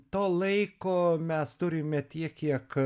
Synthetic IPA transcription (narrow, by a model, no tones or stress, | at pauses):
t̪oːlˠɐɪkoːmʲɛst̪ʊɾʲɪmʲɛt̪ʲiɛkkʲːiɛk